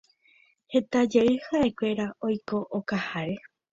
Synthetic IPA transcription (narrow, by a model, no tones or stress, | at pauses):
he̞t̪ad͡ʒeɨhaʔekʷe̞ɾao̞jko̞ʔokahaɾe̞